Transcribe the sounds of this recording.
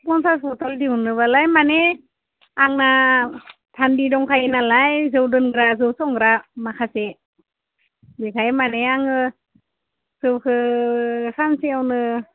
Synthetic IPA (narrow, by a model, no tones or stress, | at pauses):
kɔnsaspɔtaldiwnɯβalajmane | aŋna | tʰandidɔŋkʰajinalajzɯwdɯnɡɾazɯwsɔŋɡɾamakʰase | bekʰajmaneaŋɯ | z̥ɯwkʰɯ | sʰanseawnɯ